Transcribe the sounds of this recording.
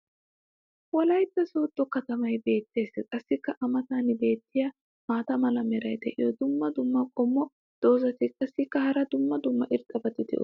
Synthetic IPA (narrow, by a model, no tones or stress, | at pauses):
wɔlɐjt̪ːɐsoːt̪ʼːɔkɐt̪ɐmɐjbe̞ːt̪ːe̞ːskʼɐsːɪkːɐʔɐmɐt̪aːnɪbe̞ːt̪ːɪjɐ | maːt̪ɐmɐlɐmɛɾɐjd̪ɛʔɪ̰jɔd̪ʊmːɐd̪ʊmːɐkʼɔmːɔ | d̪̥o̞ːzɐt̪ɪkʼɐsːɪkːɐhɐɾɐd̪ʊmːɐd̪ʊmːɐʔɪɾt̪ʼːɐbɐt̪ɪd̪ɛ̰ʔ